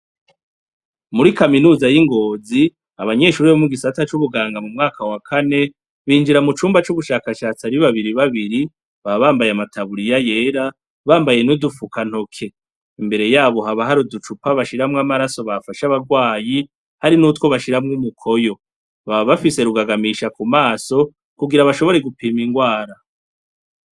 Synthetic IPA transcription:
muɾikaminuːzajiŋɡo̞ːzi | aβaɲe̞ːʃuːɾiβomuɡisatat͡ʃuβuɡaːŋɡamumŋaːkʰawakʰane̞ | βiːnd͡ʒiɾamut͡ʃuːmbat͡ʃuβuʃakaʃaːt͡saɾiβaβiɾiβaβiɾi | βaβaːmbajamatʰaβuɾijaje̞ːɾa | βaːmbaje̞nudufukan̥ho̞kʰe̞ | imbe̞ɾe̞jaːβo̞ɦaβaɦaɾudut͡ʃupaβaʃiɾamŋamaɾaso̞βafaʃaβaɡwaːji | haɾinuːtwo̞βaʃiɾamŋumukʰo̞jo̞ | βaββafise̞ɾuɡaɡamiːʃakumaːso̞ | kuɡiɾaβaʃo̞βo̞ɾe̞ɡupiːmiŋɡwaːɾa

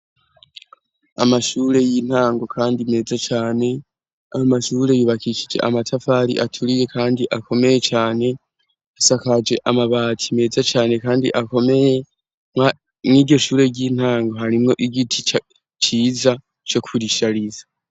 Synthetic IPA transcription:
a̰maʃuːɾe̞jin̥haːŋɡo̞kʰaːndime̞ːzat͡ʃaːne̞ | ahomaʃuːɾe̞juːβakʰiʃid͡ʒe̞̰ʔa̰matʰafaːɾḭʔatʰuɾije̞kʰaːndiʔakʰo̞me̞je̞t͡ʃaːne̞ | asakad͡ʒe̞ʔamaβaːtʰime̞ːzat͡ʃaːne̞kaːndḭʔako̞me̞je | ma | mŋiɡɟo̞ʃuːɾe̞ɟiːn̥haːŋɡo̞ɦaɾimŋo̞ʔiɡitʰi | t͡ʃiːza | t͡ʃo̞kʰuɾiʃaɾizḁ

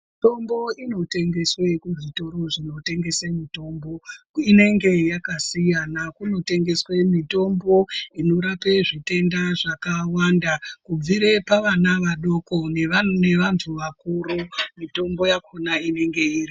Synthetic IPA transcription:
to̞mbo̞ino̞te̞ŋɡeswe̞kuʐito̞ɾo̞ʐino̞te̞ŋɡe̞semito̞mbo̞ | ine̞ŋɡe̞jakasijanakuno̞te̞ŋɡe̞swe̞mito̞mbo̞ino̞ɾape̞ʐite̞ndaʐakawandakub͡viɾe̞paʋanaʋaɗo̞koneane̞ʋantʰuʋakuɾomito̞mbo̞jakonaine̞ŋɡe̞iːri

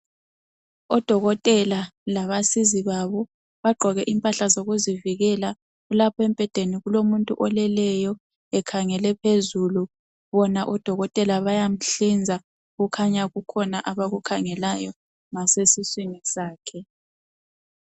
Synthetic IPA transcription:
ɔd̥ʱɔɣɔtʼɛlalaβasiziβaβɔ | βaɡ͡ǃʱɔɣɛʔimpʼaɬazoɣuziviɣɛla | ɣulapʰɔɛmpʼɛd̥ʱeniɣulomuntʼṵʔɔlɛlɛjɔ | ɛkʰaŋɛlɛpʰezulu | βɔnaʔɔd̥ʱɔɣɔtʼɛlaβajam̩ɬind͡zʱa | ɣukʰaɲaɣukʰɔnaʔaβaɣukʰaŋɛlajɔ | ŋasesiswiŋisaːkʰɛ

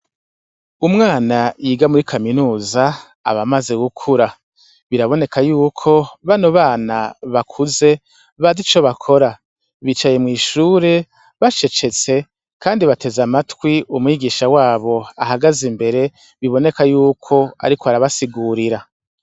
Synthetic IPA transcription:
umŋaːnajiɡamuɾikʰaminuːza | a̰βamaze̞ɡukʰuɾa | βiɾaβo̞ne̞kʰajuːkʰo̞βanoβaːnaβakʰuze̞ | βazit͡ʃo̞βakʰo̞ɾa | βit͡ʃaje̞mŋiːʃuːɾe̞ | βat͡ʃe̞t͡ʃe̞t͡se̞ | kʰaːndiβate̞zamatwiumŋiːɡiːʃawaːβo̞aɦaɡazimbe̞ɾe̞ | βiβo̞ne̞kajuːkʰo̞a̰ɾikʰoaɾaβasiɡuːɾiɾa

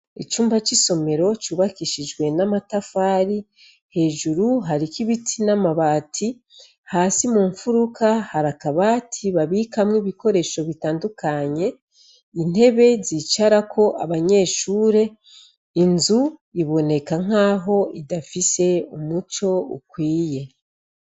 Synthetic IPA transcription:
it͡ʃuːmbat͡ʃiso̞me̞ɾo̞t͡ʃuːβakiʃid͡ʒɡwe̞namatafaːɾi | he̞ːʒuɾuɦaɾikiβitʰinamaβaːtʰi | haːsimuɱfuɾukahaɾakaβaːtʰiβaβikamŋiβiko̞ɾe̞ʃo̞βitaːndukʰaɲe̞ | in̥e̞βe̞ziːt͡ʃaɾakʰo̞ʔaβaɲe̞ːʃuːɾe̞ | inzuiβo̞ne̞kaŋ̥aːɦo̞idafise̞umut͡ʃo̞ṵkwiːje̞

